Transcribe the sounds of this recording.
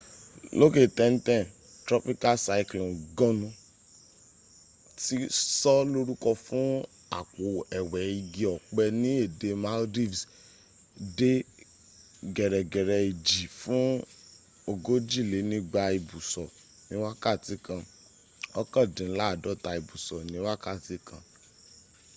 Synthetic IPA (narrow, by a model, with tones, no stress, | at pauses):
lo˦ke˦˨tɛ̃˨n̩˦tɛ̃˦˨ | tɾɔ˦pi˦ka˦sa˧i˦˧klĩ˨ɡɔ̃˦nũ˧ | ti˦sɔ˦lo˦ɾu˦kɔ˧fũ˦ | a̰˦˨k͡po˨ɛ˨wɛ˨i˧ɡi˨ɔ˨k͡pɛ˧nĩ˦e˦˨de˧ma˦ldi˦˨vs | de˦ | ɡɛ˨ɾɛ˨ɡɛ˨ɾɛ˧i˨d͡ʒi˨fũ˦ | o˧ɡo˦d͡ʒi˦˨le˨˦nĩ˦ɡ͡ba˧i˨bu˨sɔ˨ | nĩ˨˦wa˦ka˦˨ti˨˦kã˧ | ɔ˦kã˦˨dĩ˨˦la˦˨dɔ˨˦ta˧i˨bu˨sɔ˨nĩ˨˦wa˦ka˦˨ti˨˦kʰã˧